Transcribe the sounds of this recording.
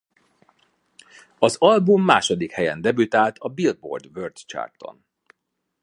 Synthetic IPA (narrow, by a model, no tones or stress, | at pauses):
ɒzɒlbumːaːʃo̞d̪ikhɛjɛnd̪ɛbyt̪aːlt̪ʰɒbild̪̚bo̞̰rd̪vørt̪t͡ʃa̰rt̪o̞̰n